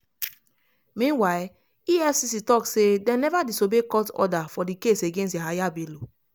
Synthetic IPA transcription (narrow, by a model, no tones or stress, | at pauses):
mĩnwaɪl | iɛfsisitɔksedɛ̃nɛvadisobekɔtɔ̰dafɔdikeseɡẽnsteɦajabelo